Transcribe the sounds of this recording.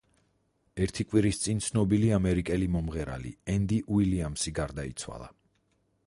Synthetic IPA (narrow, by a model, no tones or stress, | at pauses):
ɛɾt̪ʰikʼwiɾist̪sʼint̪sʰnɔbiliamɛɾikʼɛlimɔmʁɛɾa̰lḭɛnd̪iʔiliamsiɡaɾd̪aḭt̪sʰwa̰lˠa̰